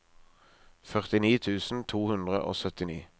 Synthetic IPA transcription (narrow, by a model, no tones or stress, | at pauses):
fœʁt̪ɪniːt̪ʰʉːsn̩t̪ʰuːhʉnd̪ʁə̰ʔo̰ːsœt̪ɪnḭː